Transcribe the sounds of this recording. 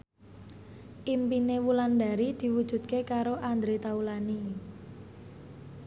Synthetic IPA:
ʔimpinewulanda̤ɾid̪̥i̤wud̥ʒ̥ṳt̪̚kekaɾoʔand̪ɾet̪aulani

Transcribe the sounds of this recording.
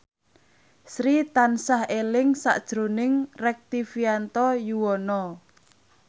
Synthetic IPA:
sɾit̪ansahelɪŋsa̰ʔd̥ʒ̥ɾo̤nɪŋrɛk̚t̪ifiant̪ɔjuwɔnɔ

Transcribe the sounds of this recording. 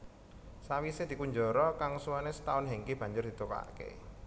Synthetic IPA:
sawised̪̥i̤kuɲd͡ʒɔ̤ɾɔkaŋsuwanesə̥t̪aʊnɦeŋkeb̥ä̤ɲd͡ʒʊrd̪i̤t̪oka̰ʔkḛ

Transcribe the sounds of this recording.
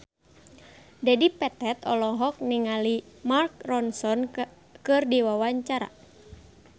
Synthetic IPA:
dadipɛt̪ɛt̪ɔlɔɦɔk̚niŋalimark̚rɔnsɔn | kɨrdiwawaɲt͡ʃaɾa̰

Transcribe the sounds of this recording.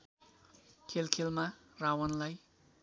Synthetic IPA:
kʰelkʰelmarawʌnlaj

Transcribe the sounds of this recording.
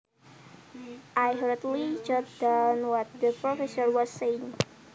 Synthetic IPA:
ʔajɦɾət̪lid͡ʒɔd̪anwɔt̪̚d̪əpɾofɛsɔrwɔsːeŋ

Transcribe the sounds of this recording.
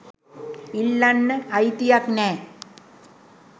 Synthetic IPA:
ilːɐnːɐjt̪ijakne

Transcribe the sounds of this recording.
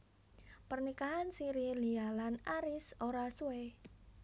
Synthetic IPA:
pərnikaɦansiɾilialanaɾɪsoɾasuwe

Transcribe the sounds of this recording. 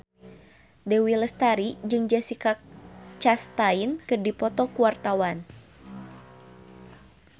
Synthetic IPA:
dɛwiləst̪aɾid͡ʒɨŋd͡ʒasikak̚t͡ʃast̪ainkɨrdipɔt̪ɔkuart̪awan

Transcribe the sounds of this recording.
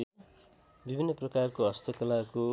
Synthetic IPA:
bibʱinːʌprʌkarkoʌst̪ʌkʌlako

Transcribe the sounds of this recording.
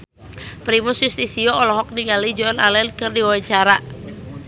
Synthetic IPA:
pɾimusjust̪isiɔɔlɔɦɔk̚niŋɡalid͡ʒɔanalɛnkɨrdiwawaɲt͡ʃaɾa

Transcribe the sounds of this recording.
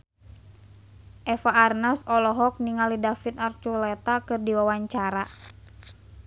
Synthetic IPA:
ʔɛfaːrnasɔlɔɦɔk̚niŋalidafit̪art͡ʃulɛt̪akɨrdiwawaɲt͡ʃaɾa

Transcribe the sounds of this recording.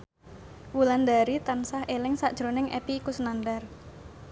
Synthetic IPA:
wuland̪aɾit̪ansahʔelɪŋsaʔd̥ʒ̥ɾo̤nɪŋʔḛpikusənandar

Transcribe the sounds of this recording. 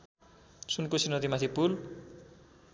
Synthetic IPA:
sunkosinʌd̪imat̪ʰipul

